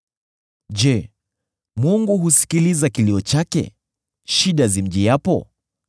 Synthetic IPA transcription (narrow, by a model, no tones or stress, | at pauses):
d͡ʒɛ | muŋɡuɦusi̥kilizakiliɔt͡ʃakɛ̰ | ʃiɗazim̩ʄijapɔ̰